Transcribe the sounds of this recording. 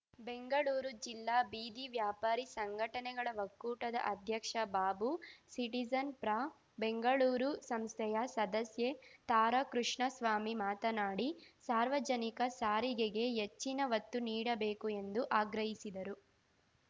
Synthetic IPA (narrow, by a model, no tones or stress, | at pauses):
be̞ŋɡɐɭuːɾud͡ʒilːaːbiːd̪iʋjaːpaːɾisɐŋɡʱɐʈɐnɛɡɐɭɐʋɐkːuːʈɐd̪ɐ̰ʔɐd̪ʱjɐkʂɐbaːbusiʈid͡ʒɐnpɾa | beŋɡɐɭuːɾusɐmst̪ʰɛjɐsɐd̪ɐsjet̪aːɾɐkɾuʂɳɐsʋaːmimaːt̪ɐnaːɽisaːɾʋɐd͡ʒɐnikɐsaːɾiɡeɡe̞ɦet͡ʃːinɐʋɐt̪ːuniːɽɐbeːkue̞nd̪uʔaːɡɾɐɦisid̪ɐɾu